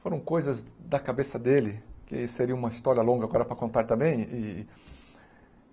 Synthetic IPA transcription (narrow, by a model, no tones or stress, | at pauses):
foɾɐ̃w̃kojzɐzd̪ɐkabesɐd̪elɪkɪ̰iseɾiɐũmɐist̪ɔɾiɐlõŋɡɐaɡɔɾɐpɾɐkõnt̪aɾt̪ɐ̃mbẽj̃ɪ